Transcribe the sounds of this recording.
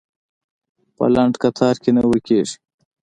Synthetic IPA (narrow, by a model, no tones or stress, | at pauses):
pɐ̰lɐɳʈkɐt̪ʰaːɾkenɐwikeːʂi̥